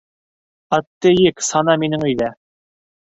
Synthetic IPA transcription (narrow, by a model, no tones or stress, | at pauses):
ɑt̪ːɘjɘksɑnɑminɘŋɵ̆jðæ